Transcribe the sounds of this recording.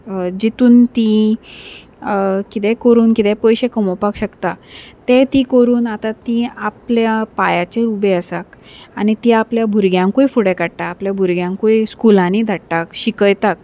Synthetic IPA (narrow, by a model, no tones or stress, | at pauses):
d͡ʑit̪uːnt̪i | kit̪ɛ̃kəɾuːnkit̪ɛ̃pəjɕekəmɔpakɕəkt̪at̪ẽt̪ikəɾuːnat̪at̪iapljapajat͡ɕeɾubeəsak | anit̪iapljabʱuɾɡjãŋkojfuɽɛkaɽt̪aːpljabʱuɾɡjãŋkoiskulãnid̪ʱaɽʈakɕikəjt̪ak